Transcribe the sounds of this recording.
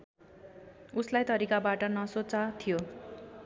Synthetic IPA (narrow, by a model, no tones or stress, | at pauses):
uslajt̪ʌɾikabaʈʌnʌsot͡sat̪ʰijo